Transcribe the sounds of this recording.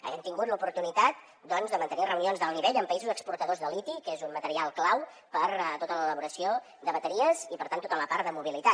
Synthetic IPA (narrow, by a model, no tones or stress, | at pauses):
ə̰βɛmt̪iŋɡut̪ləupuɾt̪unit̪at̪̚ | d̪ɔnzðəmənt̪ənirəwnionzðəlˠniβeʎəmpəizuzəkspuɾt̪əðozðəlit̪ikezummət̪əɾialˠklaw | pəɾt̪ot̪ələləβuɾəsio | d̪əβət̪əɾiəzipəɾt̪ant̪ot̪ələparðəmuβilit̪a